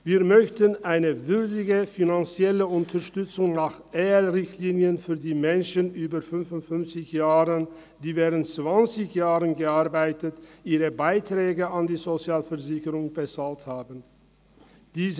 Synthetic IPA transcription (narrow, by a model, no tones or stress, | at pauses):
viːɐmœçtənʔaɪnəvʏʁdɪɡəfinant͡sjɛləʊntʰɐʁʃtʏt͡sʊŋnaːχʔɛːlʁɪçtliːnjənfyːɐdiːmɛnʃənʔyːbɐfʏnfʊntfʏnft͡sɪçjaːʁən | d̥iːvɛːʁəntt͡sv̥ant͡sɪçjaːʁənɡəaɐbaɪtətʔiːʁəbaɪtʁ̥ɛːɡəandiːzot͡sjaːlfɛɐzɪçəʁʊŋbət͡salthaːbən | d̥iːz